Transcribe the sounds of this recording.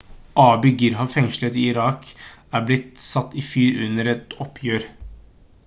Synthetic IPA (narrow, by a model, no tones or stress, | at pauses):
ʔɑːbʏɡɪɾɦɑʋfɛŋʃl̩ət̪ɪɪɾɑːkæːblɪt̪sɑt̪ːiːfyːɾʉnəɾɛt̪ɔpʰjøːɾ